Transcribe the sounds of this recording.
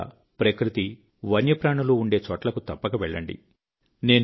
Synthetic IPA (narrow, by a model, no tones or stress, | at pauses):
ɐ̰ | pɾɐkɾit̪i | ʋɐnjɐpɾaːɳɐluːɳɖe̞ːt͡ʃɔːʈlɐkut̪ɐpːɐkɐʋɛɭːɐ̰ɳɖḭ | ne̞ːn